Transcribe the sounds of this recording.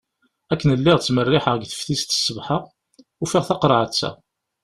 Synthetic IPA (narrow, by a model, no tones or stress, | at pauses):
ækːənəlːɪʁt͡sːmərːɪħəʁəɡθə̥fθist̪ə̥sːəvħəʁ | ufiʁθɑqɾˤʕət͡sːæ̰